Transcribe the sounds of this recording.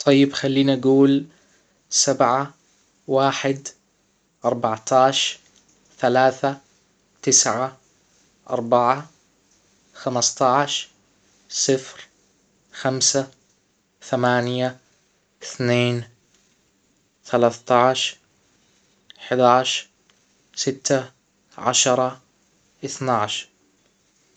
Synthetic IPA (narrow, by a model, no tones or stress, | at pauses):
t̪ˤʰɑjːɪbxalːiːnʔaɡuːl | sabʕa | waːħɪd̪ | ʔɑɾˤbɑʕt̪ʰɑːʃ | θalaːθa | t̪ɪsʕa | ʔɑ̰ɾˤbɑʕa | xamɑst̪ˤɑʕʃ | sˤɨfɾ | xamsa | θamaːnja | ɪθneːn | θalaːθt̪ɑʕʃ | ħd̪aːʃ | sɪt̪ːa | ʕa̰ʃɑɾˤɑ | ʔɪθnaʕʃ